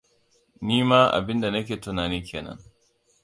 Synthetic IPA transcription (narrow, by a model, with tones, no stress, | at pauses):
niː˦maː˦ʔa̰˨bɪ˦nda˨nɐ˦k̬ʲeː˨tʊ˨naː˨niː˦kʲeː˨nɐ̰˦ŋ